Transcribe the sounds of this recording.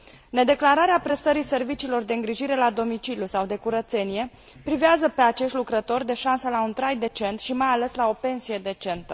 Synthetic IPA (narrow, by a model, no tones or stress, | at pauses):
ne̞d̪e̞klaɾaɾeapɾe̞st̪əɾise̞rvit͡ʃiːlo̞rd̪e̞ɨŋɡɾiʒiɾe̞lad̪o̞mit͡ʃiljusawd̪e̞kuɾət̪se̞nije̞ | pɾiveazəpe̞at͡ʃe̞ʃt̪ʲlukɾət̪o̞rʲd̪e̞ʃansəlaunt̪ɾajd̪e̞t͡ʃe̞nt̪ʃimajale̞slao̞pe̞nsije̞d̪e̞t͡ʃe̞nt̪ə